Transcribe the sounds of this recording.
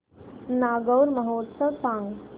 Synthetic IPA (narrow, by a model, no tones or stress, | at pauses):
naːɡəwɾmɐɦoːt̪səʋsãːŋɡ